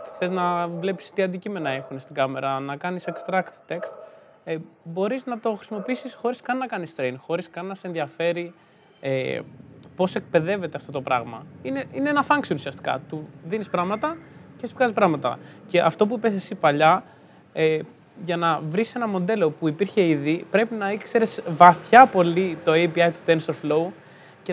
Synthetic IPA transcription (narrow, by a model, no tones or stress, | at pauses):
θe̞znɐvle̞pi̥st̪iɐnd̪icime̞nɐe̞xunest̪iɡɐme̞ɾɐnɐkɐnisekst̪ɾɐkt̪t̪e̞kst̪ | bo̞ɾiznɐt̪o̞xɾi̥simo̞piisisxo̞ɾiskɐnːɐkɐnist̪ɾejnxo̞ɾiskɐnːɐsenðiɐfe̞ɾi | ḛ | po̞se̞k̚pe̞ðe̞ve̞t̪eɐft̪o̞t̪o̞pɾɐɣmɐ̰ine̞ineenɐfɐŋksionusiɐst̪i̥kɐ̰t̪uðinispɾɐɣmɐt̪ɐcespkɐzis̬pɾɐɣmɐt̪ɐ̰ce̞ʔɐft̪o̞p̬uipesesipɐʎɐ | e | ʝɐnɐvɾise̞nɐmo̞nd̪e̞lo̞puipiɾçe̞iðipɾe̞pinɐikse̞ɾe̞svɐθçɐpo̞lit̪o̞ejpiɐjt̪u̥d̪ensoɾflo̞u | ce